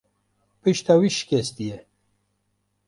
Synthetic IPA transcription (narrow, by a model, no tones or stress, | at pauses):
pɨʃt̪awiʃkʲest̪ijɛ